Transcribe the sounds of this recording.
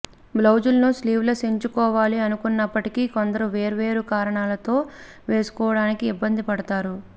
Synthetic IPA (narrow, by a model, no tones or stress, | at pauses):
blɐwd͡ʒulɐnusliːʋlɐseɲt͡ʃukɔːʋaːliɐnukunːɐpːɐʈikikond̪ɐɾuʋe̞ːɾʋe̞ːɾukaːɾɐɳaːlɐt̪o̞ː | ʋe̞ːsu̥kɔːʋɐɽaːnikiːbːɐnd̪ipɐɽɐt̪aːɾu